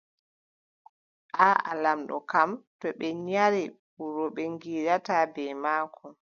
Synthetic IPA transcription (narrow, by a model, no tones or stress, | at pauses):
ʔaa̰lamɗɔ̰kamtɔɓɛɲaɾi | uɾɔɓɛŋɡiːɾatabɛjmaːkʰɔ